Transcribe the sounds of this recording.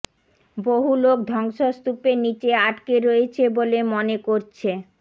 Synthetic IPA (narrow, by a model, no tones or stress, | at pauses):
boɦulok̚d̪ʱɔŋʃost̪upenit͡ɕeaʈkeɾoet͡ɕʰebolemonekoɾt͡ɕʰe